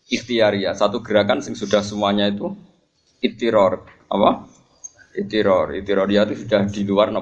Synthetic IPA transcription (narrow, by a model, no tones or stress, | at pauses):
ʔist̪iaɾiasat̪uɡ̥əɾakansɪŋsud̥ahsəmuaɲait̪u | it̪iɾɔr | apa | it̪iɾɔrḭt̪iɾɔrijat̪usud̥ahd̥iluarna